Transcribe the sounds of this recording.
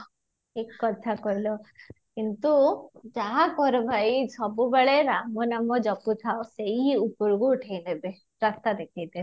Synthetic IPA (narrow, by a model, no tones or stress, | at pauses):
ekːɔt̪ʰakɔilɔ | kint̪ud͡ʒaɦakɔɾɔbʱajsɔbubeɭeɾamɔnamɔd͡ʒɔkut̪ʰaosejupɔɾuɡuʈʰejnebe | ɾast̪ad̪ekʰajt̪e